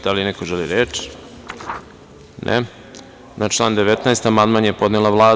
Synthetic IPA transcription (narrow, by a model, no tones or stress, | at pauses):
d̪alinekoʒeliɾeːt͡ʃ | nʔḛ | nat͡ʃlˠaːnd̪eʋet̪naest̪amand̪manjepo̞d̪nelˠaʋlˠaː